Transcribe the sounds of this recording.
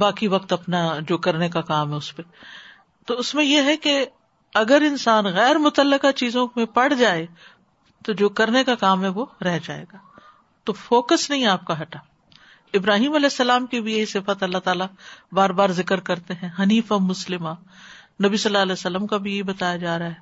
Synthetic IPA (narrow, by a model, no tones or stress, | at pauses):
baːkiʋɐqt̪ɐpnad͡ʒoːkɐɾnekakaːmɦɛʊspe | t̪oʊsmẽjeɦɛke | ɐɡəɾɪnsaːnɣɛːɾmʊt̪əlːəkat͡ʃiːzõmẽpɐɽ̤d͡ʒaːe | t̪od͡ʒoːkɐɾnekakaːmɦɛ̃ʋoɾɛɦd͡ʒa̰ːḛːɡaː | t̪ofoːkəsnɐɦĩaːp̚kaɦɐʈaː | ɪbɾaːɦiːmɐlɛːsːɐlaːmkibʱijɐɦisɪfət̪ɐlːat̪aːlabaːɾbaːɾzɪkəɾkɐɾt̪eɦɛ̃ɦɐniːfɐmʊslɪma | nɐbisɐlːaːlɛːsɐlːəmkabʱijɐɦibɐt̪aːjad͡ʒaːɾɐaɦɛ